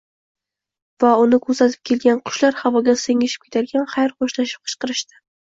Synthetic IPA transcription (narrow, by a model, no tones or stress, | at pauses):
vaʊnɪkʰɵɾsat̪ʰɪ̥p̚kʲʰe̞lɡʲanqʰʊ̥ʃlaɾhavɒɡʲaseŋɪʃɪ̥p̚kʰʲet̪ʰaɾɡʲanχajɾχoʃlaʃɪ̥p̚qʰɨ̥ʃqɨɾɪʃt̪ɪ̥